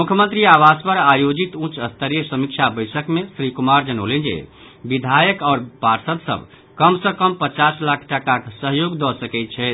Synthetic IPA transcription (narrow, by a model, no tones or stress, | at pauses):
mukʰjəmənt̪ɾiaʋaspəɾajod͡ʒit̪ũt͡ʃəst̪ʰəɾijəsəmikt͡ʃʰabəjsəkmesɾikumaɾd͡ʒənolend͡ʒḛ | bid̪ʱajəkaːɾpaɾsəd̪sə̰b | kəmsə̃kəmpət͡ʃaslakʰʈakaksəɦjoɡd̪ɔsəkɛt̪̚t͡ʃʰɛ